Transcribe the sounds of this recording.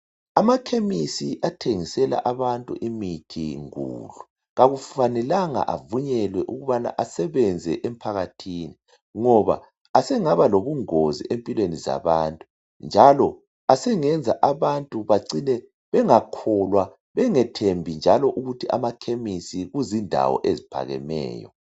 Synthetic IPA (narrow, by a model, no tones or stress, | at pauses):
amakʰemisiʔatʰeŋisɛla̰ʔaβantʼṵʔimitʰḭŋṵːlu | ɣaɣuffanɛlaŋa̰ʔa̰vuɲɛlwɛʔuɣuβana̰ʔasɛβɛnd͡zʱɛ̰ʔɛm̩pʰaɣatʰini | ŋɔβa̰ | asɛŋaβaloβuŋozḭʔempʼilweniza̰βaːntʼu | nd͡ʒʱalɔ | asɛŋɛnd͡zʱaʔaβantʼuβaǀinɛ | βɛŋakʰɔlwa | βɛŋɛtʰembʱind͡ʒʱalɔʔuɣutʰiʔa̰makʰemisiɣuzindʱa̰wɔ̰ʔezipʰa̰ɣɛ̰mɛ̰ːjɔ̰